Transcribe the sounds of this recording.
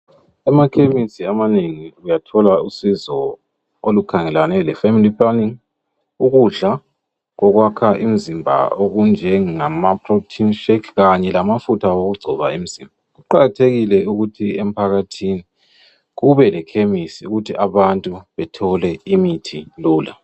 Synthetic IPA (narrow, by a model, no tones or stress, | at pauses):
ɛmakʰemisiamaneŋiujatʰɔlausizɔ | olukʰaŋɛlanɛlɛfemilipʰʼlaniŋ | uɣuɮa | ɣɔɣwakʰaʔim̩zimbʱa̰oɣund͡ʒʱɛŋamapʰrotʰinʃekʰɣaɲɛlamafutʰaoɣuɡ͡ǀʱɔβaim̩z̥imbʱaɣuǃaɣatʰeɣilɛuɣutʰiem̩pʰaɣatʰini | ɣuβɛlɛkʰemisiuɣutʰiʔaβantʼuβɛtʰɔlɛimitʰiluːla